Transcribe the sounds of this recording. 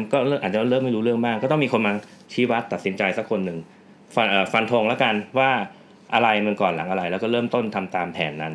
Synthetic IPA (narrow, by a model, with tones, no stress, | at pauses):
mkɔː˥˩˥ʔaː˨˩t̪̚t͡ɕa˨˥˦ɾɤː˥˩mːa˥˩ɾuː˦˥ɾɯ˥˩əŋmaː˥˩kːɔː˥˩t̪ɔ˥˩ŋmiː˧kʰo˧nmaː˧ | t͡ɕʰiː˦˥wa˦˥t̪ːa˨t̪si˩˦nt͡ɕa˧jsa˨˦˥kʰːo˧nːɯ˨˩ŋ | fa˧nʔəː˨˩fa˧nt̪ʰo˧ŋlɛ˦˥ka˧nwaː˥˩ | ʔa˧ɾa˧jma˧nkɔː˨˩nla˩˦ŋʔa˧ɾa˧jlɛː˦˥wkɔː˥˩ɾɤː˥˩mt̪o˥˩nt̪ʰa˧mt̪aː˧mpʰɛ̰ː˩˦nːa˦˥n